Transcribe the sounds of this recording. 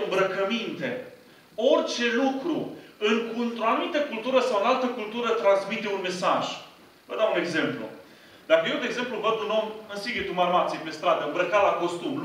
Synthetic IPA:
ɨmbɾəkəmint̪e̞̰ | o̞rʲt͡ʃe̞lukɾuɨŋknt̪ɾoanumit̪əkult̪uɾəsawɨnalt̪əkult̪uɾət̪ɾansmit̪e̞unme̞saʒ | və̰d̪aune̞ɡze̞mplṵ | d̪̥akəjewd̪eɡze̞mpluvəd̪uno̞mɨnsiɡʲet̪umarmat̪sijepe̞st̪ɾad̪əɨmbɾəkalako̞st̪um

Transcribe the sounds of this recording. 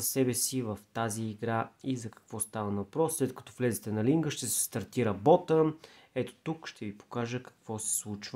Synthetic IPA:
ɐsɛbɛsivəft̪aziːɡɾaizɐkɐ̥kvɔst̪avənɐvɐpɾɔsːlɛt̪kɐ̥t̪ɔ̥vlɛzɛt̪ɛnɐliŋɡəʃt̪ɛsɛ̥st̪ɐɾt̪iɾɐbɔt̪ə | ɛt̪o̥t̪ukʃt̪ʰɛvipo̥kaʒəkɐ̥kv̥ɔsɛ̥slˠut͡ʃvə

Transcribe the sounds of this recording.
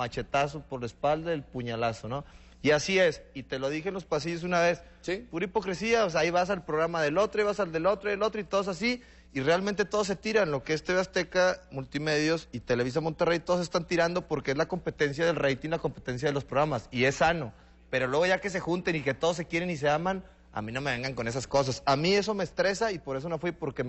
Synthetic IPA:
at͡ʃe̞t̪as̬opo̞ɾlaespald̪aelpuɲalaso̞no̞ | iasie̞sit̪e̞lo̞ð̞ixenlospasiʝo̞s̬unaβe̞s | spuɾaipo̞kɾe̞siaos̬eaiβas̬alpɾoɣɾamaðe̞lo̞t̪ɾoaiβas̬ald̪e̞lo̞t̪ɾoðelo̞t̪ɾoit̪o̞ðsasi | irealmẽnt̪e̞t̪o̞ð̞o̞s̬et̪iɾanlo̞keest̪eβast̪e̞kamult̪ime̞ðjo̞sit̪ele̞β̞is̬amont̪erejt̪oðos̬est̪ant̪iɾand̪o̞po̞ɾke̞e̞zlako̞mpe̞t̪e̞ns̬jaðe̞lrejt̪iŋlako̞mpe̞t̪e̞ns̬jaðelospɾoɣɾamasie̞sːano̞ | peɾo̞lwe̞ɣ̞o̞ʝake̞s̬e̞xunt̪e̞nike̞t̪o̞ðos̬e̞kje̞ɾe̞nis̬e̞amãn | a̰mĩno̞me̞β̞e̞ŋɡaŋko̞ne̞s̬asko̞s̬asamie̞s̬o̞me̞ːst̪ɾe̞saipo̞ɾe̞s̬o̞nofwipo̞ɾke

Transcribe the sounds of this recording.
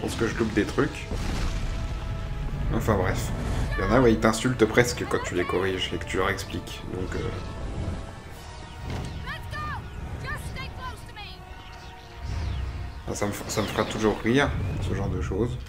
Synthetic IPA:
pɑ̃skəʒəlup̚d̪et̪χyk | ɑ̃fɛ̃bʁɛfjɑ̃nawɛilt̪ɛ̃sylt̪pχɛskəkɑ̃t̪ylekɔʁiʒekə̥t̪ylœʁɛksplikd̪ɔ̃kø̰ | fɛ̰̃saməfsaməfəʁat̪uʒuʁːiʁsəʒɑ̃ʁd̪əʃoz

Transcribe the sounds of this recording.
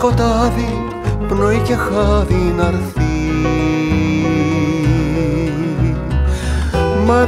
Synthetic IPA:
kot̪aði | pnojkexaðinɐɾθi | mɐ

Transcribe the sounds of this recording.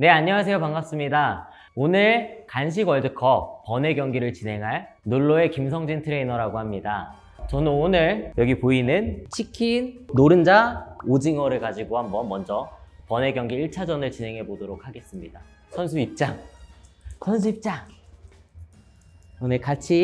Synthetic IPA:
ne̞aɲːʌŋas̬ʰejopaŋɡas͈ɯmɲida | onɯɭkanɕ̬ʰiɡʌɭdɯkʰʌpʌne̞ɡjʌŋɡiɾɯɭt͡ɕine̞ŋɦaɭ | noɭːoe̞kims̬ʰʌŋd͡ʑintʰɯɾe̞inʌɾaɡoɦamɲida | t͡ɕʌnɯnonɯɭjʌɡipoinɯnt͡ɕʰikʰinːoɾɯnd͡ʑaod͡ʑiŋʌɾɯɭkad͡ʑiɡoɦambʌnbʌnd͡ʑʌpʌne̞ɡjʌŋɡiiɭt͡ɕʰad͡ʑʌnɯɭt͡ɕine̞ŋɦe̞bodoɾok̚ʰhaɡe̞s͈ɯmɲida | sʰʌns̬ʰuip̚t͡ɕ͈aŋ | sʰʌns̬ʰuip̚t͡ɕ͈aŋ | onɯɭkat͡ɕʰi

